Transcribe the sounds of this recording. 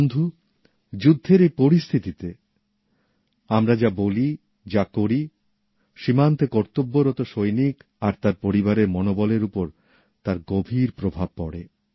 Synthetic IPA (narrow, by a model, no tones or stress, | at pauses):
nd̪ʱu | d͡ʑud̪ʱːeɾejpoɾist̪ʰit̪it̪e | amɾad͡ʑaboli | d͡ʑakoɾi | ʃimant̪ekɔɾt̪obːoɾɔt̪oʃojnik | aɾt̪aɾpoɾibaɾeɾmɔnobɔleɾupoɾ | t̪aɾɡobʱiɾpɾobʱab̚pɔɽḛ